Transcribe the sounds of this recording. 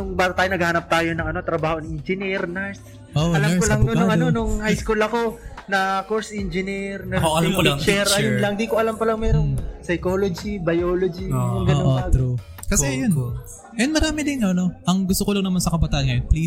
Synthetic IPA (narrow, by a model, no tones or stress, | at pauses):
nʊŋbaːɐt̪aːjonɐɡ̚ahanɐp̚t̪aːjo̞nɐŋɐno̞t̪ɾɐbaːhonŋʔɪnd͡ʒɪniɾnɛɹs | ʔoɐlɐamkolɐŋonʊŋʔɐo̞nʊŋhajskulɐko̞nɐkoɹsʔɛnd͡ʒɪniɾnɐoɐlɐmklɐt͡ʃɛɾɐjʊnlɐŋd̪ikoʔɐlɐmpɐlɐŋmɛːɾosɐjkoːlod͡ʒibɐjoːlod͡ʒinʊŋɐnːʔoɐɾu | kɐsɛjon | nmɐɾaːmɪd̪ɪnonoʔɐŋɡʊst̪okolɐŋnɐmansɐkɐbɐt̪aːʔɐnkɐjnpli